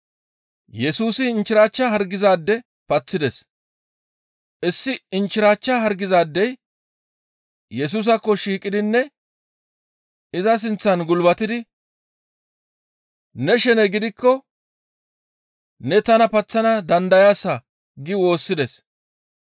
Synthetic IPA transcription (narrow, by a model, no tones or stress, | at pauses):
jɛsuːsɪɪnt͡ʃːɪɾaːt͡ʃːɐɦɐɾɡɪzaːd̪ːɛ | pɐt͡sːɪd̪ɛs | ʔɪsːɪɪnt͡ʃːɪɾaːt͡ʃːaɦɐɾɡɪzaːd̪ːɛj | jɛs̬uːs̬ɐkːɔʃiːkʼːɪd̪ɪnːɛ | ɪzɐs̬ɪnt͡sːɐnɡʊlbɐt̪ɪd̪ɪ | nɛʃɛnɛɡɪd̪ɪkːɔ | nɛt̪ɐnɐpɐt͡sːɐnɐd̪ɐnd̪ɐjaːsɐ | ɡɪwo̞ːsːɪd̪ɛs